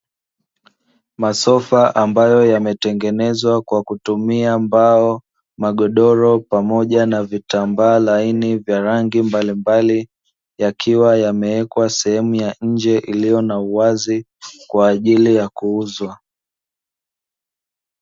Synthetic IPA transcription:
masɔfaʔambajɔjamɛtɛŋɡɛnɛzwakwakutumiambaɔ | maɠɔɗɔɾɔpamɔʄanavitambaːlainivjaɾaŋɡimbalimbali | jakʰiwajamɛɛkwasɛhɛmujaɲ̩d͡ʒɛʔilijɔnauwazi | kwaːʄilijakuuzwa

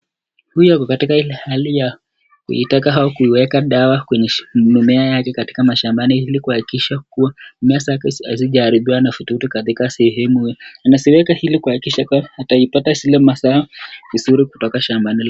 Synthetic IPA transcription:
hujakɔkatikailɛhalija | kṵḭtakaɦaɔkuiwɛkaɗawakwɛɲɛnumɛajakɛkati̥kamaʃambanihilikuhakikiʃak̚uwamɛasakɛaziʄaːɾiɓiwanafututukaðikasɛhɛmuhjanasiwɛkahilikuhakikiʃakuahataipatasilɛmasaavizuɾiku̥tɔkaʃambanil

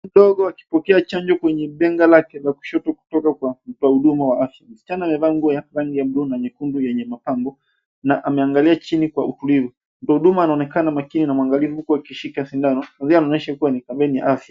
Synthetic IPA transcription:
m̩ɗɔɠɔaki̥pɔkɛat͡ʃaɲd͡ʒɔkwɛɲɛɓɛŋɡalakɛlaku̥ʃɔtɔku̥tɔkakwam̩tɔahuɗumawaafjam̩si̥t͡ʃanaːmɛvaːŋɡuajaɾaŋɡijam̩ɗunaɲɛkundujɛɲɛmapaŋɡɔ | naʔamɛaŋɡaliat͡ʃinikwautulivu | m̩tɔahuɗumaːnaɔnɛkanamakininamwaŋɡalivuukuwakiʃikasindanɔanzianaɔnɛʃakuwanikaɓɛnija̰ʔafja

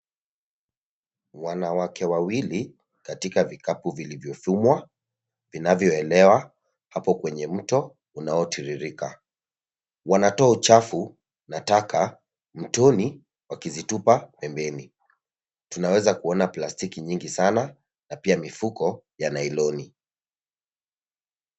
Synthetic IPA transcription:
wanawakɛwawili | katikavikapuvilivjɔfumwa | vinavjɔɛlɛwa | hapɔkwɛɲɛm̩tɔ | unaɔtiɾiɾika | wanatɔaut͡ʃafu | natakʰa | m̩tɔni | wakizitupapɛmbɛni | tunawɛzakuɔnaplastikiɲiŋɡisana | napiamifukɔjanailɔni

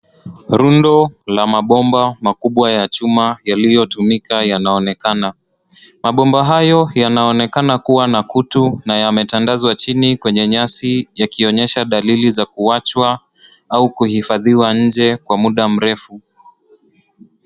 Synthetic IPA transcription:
ɾundɔlamaɓɔmbamakuɓwajat͡ʃumajalijɔtumikajanaɔnɛkana | maɓɔmbaɦajɔjanaɔnɛkanakuwanakutunajamɛtandazwat͡ʃinikwɛɲɛɲasijakiɔɲɛʃaɗalilizakuat͡ʃwa | aukuhifaðiwaɲ̩d͡ʒɛkwamuɗam̩ɾɛfu

